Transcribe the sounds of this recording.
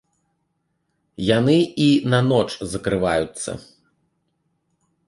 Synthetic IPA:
janɨinɐnɔt͡ʂzɐkɾɨvajut̪sːɐ̰

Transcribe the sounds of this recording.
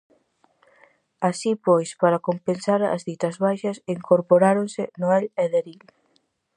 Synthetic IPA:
asipojspaɾakompensaɾɐ̰zðit̪ɐzβajʃɐsiŋkoɾpoɾaɾonsɪnoɛleðeɾil

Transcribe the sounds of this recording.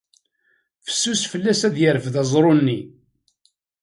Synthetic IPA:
fə̥sːusfəlːæsæðjəɾəfðɑzˤɾˤonːi

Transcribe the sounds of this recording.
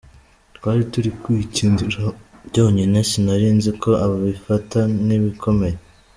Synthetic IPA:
twaːɾituɾikwiːciːndiɾabɟo̞ːɲine̞sinaɾiːnzikʰo̞ʔaβaβifataniβikʰo̞me̞je

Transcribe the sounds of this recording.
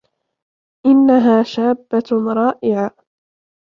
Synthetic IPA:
ʔɪnːaɦaːʃaːbːaɾˤɑːʔɪʕa

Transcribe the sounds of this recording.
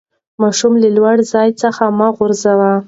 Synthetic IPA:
mɑʃumlalwaɽzɑjt͡səxamaɣʊɾzawa

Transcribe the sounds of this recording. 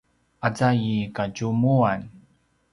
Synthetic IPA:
at͡sajikaɟumuan

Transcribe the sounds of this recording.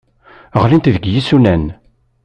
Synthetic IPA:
əʁlint̪ðəɡjisulæn

